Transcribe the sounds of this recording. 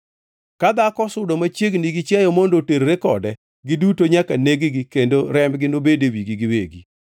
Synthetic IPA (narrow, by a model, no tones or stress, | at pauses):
kad̪akɔsʊdomat͡ʃeɡniɡɪt͡ʃjajɔmondoteɾɾekɔdɛ | ɡɪdutoɲakaneɡiɡɪkendoɾɛmɡɪnobedewiɡiɡɪweɡi